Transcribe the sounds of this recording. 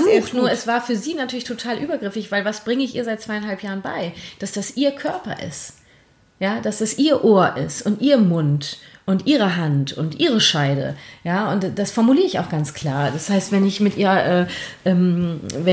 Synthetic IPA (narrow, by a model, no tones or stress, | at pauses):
uxnuːɐɛsv̥aːɐfyːɐziːnatʰyːɐlɪçtʰotʰaːlʔyːbɐɡʁɪfɪçv̥aɪlvasb̥ʁɪŋəɪçʔiːɐzaɪt̚t͡sv̥aɪanɦalpʰjaːʁ̞ənbaɪd̥asd̥asʔiːɐkʰœɐpɐ̰ʔɪ̰st | jaːd̥asd̥asʔiːɐʔoːɐʔɪstʊntʔiːʁmʊntʔʊntʔiːʁ̞əɦantʊntʔiːʁ̞əʃaɪɾə̰jaːʔʊntd̥asfɔɐmuliːəɪça̰ʊxɡ̥ant͡skʰl̥aːɐd̥ashaɪstv̥ɛnɪçmɪtʔiːʁɐʔɛːʔɛːmvɛ